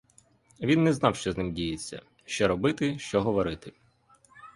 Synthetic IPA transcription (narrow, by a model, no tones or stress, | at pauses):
ʋʲinːɛznɑwʃt͡ʃɔznɪmdʲijet͡sʲːɐ̰ | ʃt͡ʃɔɾɔbɪt̪ɪʃt͡ʃɔɦɔʋɔɾɪt̪ɪ